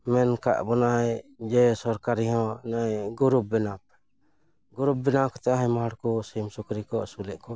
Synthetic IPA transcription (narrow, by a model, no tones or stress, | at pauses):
mɛnka̰ʔbɔnajd͡ʒɛsɔɾkaɾiɦɔ̃najɡuɾup̚bɛnap̚ | ɡuɾup̚bɛnakɔ̥t̪ɛaɦɛmaɦaɽkɔsimsukɾikɔʔsulɛʔkɔ